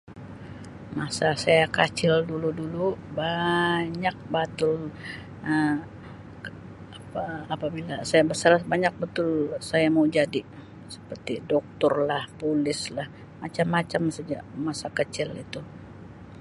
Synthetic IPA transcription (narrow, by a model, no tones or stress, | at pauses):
masasajakat͡ʃɪlduludulubaɲak̚bat̪ʊl | ə | apaːpabilasajabəsarbaɲak̚bət̪ʊlsajamawd͡ʒadi | sə̥pərt̪idɔk̚t̪ɔrlahpolɪslah | mat͡ʃamːat͡ʃamsəd͡ʒa̰ʔmasakət͡ʃɪlḭt̪u